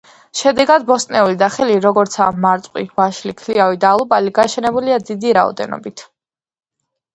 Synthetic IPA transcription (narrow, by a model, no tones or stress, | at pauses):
ʃɛd̪ɛɡad̪̚bɔst̪ʼnɛulid̪aχɛliɾɔɡɔɾt̪sʰamːaɾt̪sʼqʼwivaʃlikʰliavid̪alˠubaliɡaʃɛnɛbuliad̪id̪iɾaɔ̰d̪ɛ̰nɔ̰bit̪ʰ